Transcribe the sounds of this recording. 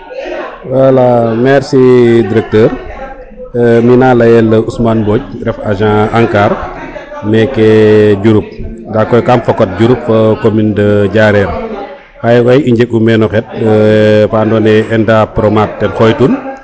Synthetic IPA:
walːamɛɾsidiɾɛk̚təːɾ | minalɐjɛlːɐusmanboːc̚ɾɛfaʒãaŋkaɾ | mɛkːɛɟuɾup̚dakːɔjkamfɐkɔt̚ɟuɾupfɐkomindɐɟaɾɛɾ | xajwɐjiɲɟɛk̚umɛnɔxɛt̚ | fandɔːnɛɛndapɾɔmat̚ːɛnxɔjtun

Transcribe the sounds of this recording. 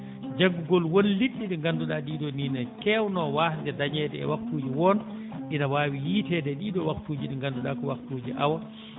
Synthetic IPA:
d͡ʒaɡːuɡɔlwonliɗːiɗiŋɡanduɗaɗiːɗɔninakɛwnɔwahdɛdaɲɛdɛ̰ɛ̰waktuːd͡ʒiwɔnʔinawaːwijiːtɛdɛɗiːɗɔwaktuːd͡ʒiɗiŋɡanduɗaːkɔwaktud͡ʒiʔa̰wa

